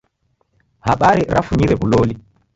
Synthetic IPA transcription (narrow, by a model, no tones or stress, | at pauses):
haɓaɾɛɾʔa̰fuɲiɾɛbuloːli